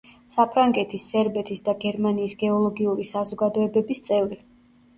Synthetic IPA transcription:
sapʰɾaŋɡɛt̪ʰisːɛɾbɛt̪ʰisd̪aɡɛɾmaniːsɡɛɔlˠɔɡiuɾisazɔɡad̪ɔɛbɛbist̪sʼɛvɾi

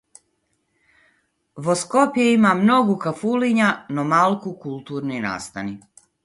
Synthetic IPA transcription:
ʋoskopjeimamno̞ɡukafuliɲanomalˠkukulˠt̪uːɾnina̰ːst̪ani

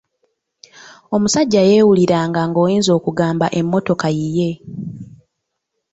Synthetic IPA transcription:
o̞musaɟːaje̞ːwuliɾaːŋɡaŋɡo̞ːjiːnzo̞ːkuɡaːmbaʔe̞mːo̞to̞kajije̞

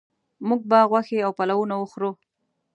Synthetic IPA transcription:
muɡ̚baɣwaxeawpalawunawəxɾu

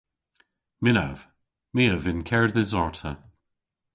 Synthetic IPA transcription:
mɪna̰v̥ | miːəvɪnkʰɛɹðɪzɔɹtʰə

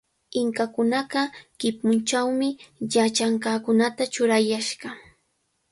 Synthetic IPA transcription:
ɪŋkakʊnɑɢɑkɪpʊnt͡ʃawmɪjat͡ʃaŋkɑkʊnat̪at͡ʃʊɾajaʃɢɑ

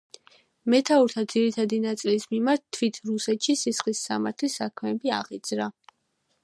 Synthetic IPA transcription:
mɛt̪ʰauɾt̪ʰad̪ziɾit̪ʰad̪inat̪sʼilismimaɾt̪̚ʰːwit̪ʰɾusɛt̪ʃisisχlisːa̰maɾt̪ʰlisakʰmɛːbia̰ʁid̪z̥ɾa

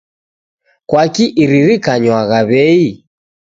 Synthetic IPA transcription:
kwakiʔiɾiɾikaɲwaɣaβɛi

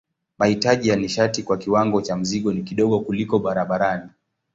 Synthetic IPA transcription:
mahitaʄijaniʃatikwakiwaŋɡɔt͡ʃam̩ziɠɔnikiɗɔɠɔkulikɔɓaɾaɓaɾani

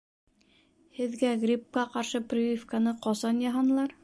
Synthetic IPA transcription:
hɘ̆ðɡæɡrʲip̚kɑqɑɾʃɤprʲivʲifkanɤqɒsɑnjɑɦɑnɤ̆lˠɑɾ

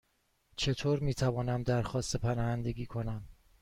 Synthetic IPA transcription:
t͡ʃʰe̞t̪ʰoːɾmiːt̪ʰævɒːnæmd̪æɾxɒːst̪epʰænɒːhænd̪e̞ɡʲiːkʰo̞næm

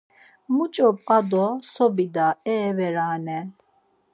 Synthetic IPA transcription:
mut͡ʃʼɔpʼqʼad̪ɔsɔbid̪aɛːvɛɾaːnɛ

